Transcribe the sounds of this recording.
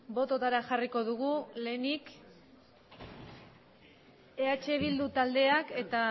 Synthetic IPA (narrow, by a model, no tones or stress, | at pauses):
bo̞t̪ot̪aɾaxariko̞ð̞uɣule̞ːnik | e̞at͡ʃe̞β̞ild̪ut̪ald̪e̞ake̞t̪a